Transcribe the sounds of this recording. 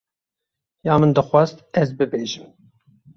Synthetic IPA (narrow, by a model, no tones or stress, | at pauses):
jaːmɨnd̪ɨxwɑzt̪ɛzbɨbeːʒɨm